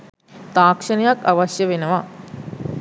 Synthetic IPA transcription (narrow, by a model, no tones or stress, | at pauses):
t̪aːkʂɐnɐjakːaʋɐsjəʋenəʋa